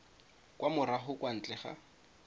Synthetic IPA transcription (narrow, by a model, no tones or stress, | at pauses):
kwamʊɾaɦʊkʼwan̩t͡ɬʼɛχa̰